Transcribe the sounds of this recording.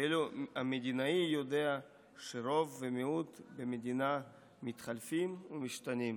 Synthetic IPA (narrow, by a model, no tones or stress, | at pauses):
eluamed̪inaijod̪e̞a | ʃeɾo̞vːemeut̪bemed̪ina | mit̪χalfimumiʃt̪anim